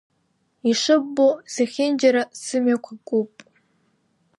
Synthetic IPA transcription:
iʂɨbːozaχʲɪnd͡ʒaɾasɨmakʷʰakʷʼupʼ

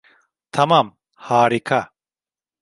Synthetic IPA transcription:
t̪ʰɐmaːm | haːɾikʰa

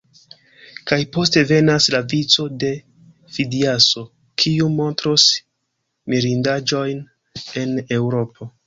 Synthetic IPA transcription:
kajpo̞ste̞ve̞naslavit͡so̞de̞ | fidiaso̞ | kʰiumo̞ntɾos | miɾindad͡ʒo̞jn | e̞ne̞wɾo̞pʰo̞

